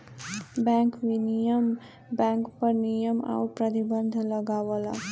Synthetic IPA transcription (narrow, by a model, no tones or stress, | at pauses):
bɛ̃ŋkʋinijəm | bɛ̃ŋkpəɾnijəma̰wpɾət̪ibənd̪ʱləɡawəla̰